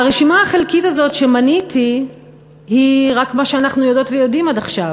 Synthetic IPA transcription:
aʁeʃimaaχelkitazo̞tʃe̞manitʰi | hiʁakmaʃeanaχnujodo̞tvejo̞dimad̪aχʃav

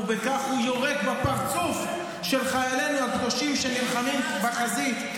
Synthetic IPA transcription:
vekaχhujoʁekbapaʁt͡suf | ʃe̞lχajalenuhakdoʃimʃenilχamimbaχazit̪

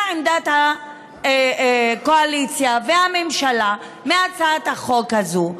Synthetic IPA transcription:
end̪at̪ha | koalit͡sjavehamemʃala | meat͡saːthaχo̞khazu

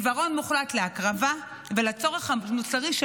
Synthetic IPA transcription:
vaʁo̞nmuχlat̪leakʁava | velat͡so̞ʁ̞eχhamut͡saʁiʃ

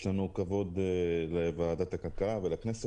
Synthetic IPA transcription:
ʃlanukavo̞d̪levaːd̪at̪akalkalavelaknese

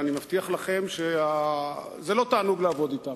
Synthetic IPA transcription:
animaft̪iaχlaχe̞mʃea | zelo̞t̪aːnuɡleavo̞d̪it̪am

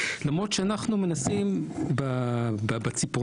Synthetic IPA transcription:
lamʁo̞t̪ʃeanaχnume̞nasimbababat͡sipu

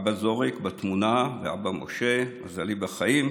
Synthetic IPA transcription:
bazoʁikbat̪munavea̰bamʔo̰ʃe̞azalibaχaim

